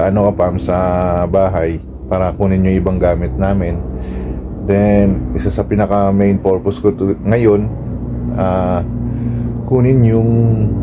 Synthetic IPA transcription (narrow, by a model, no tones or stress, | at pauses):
ɐʔɐnokɐpamsɐbaːɦaj | paːɾɐkunɪnjoŋʔɪbaŋɡaːmɪt̪̚naːmɪn | d̪ɛnʔɪsasɐpinɐkɐmejnpo̞ɹposkot̪ŋɐjo̞n | ʔaː | kunɪnjʊŋ